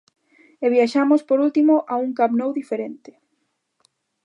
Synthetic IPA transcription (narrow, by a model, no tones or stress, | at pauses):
eβjaʃamospoɾult̪imoʔauŋkapnowðifeɾent̪ɪ̥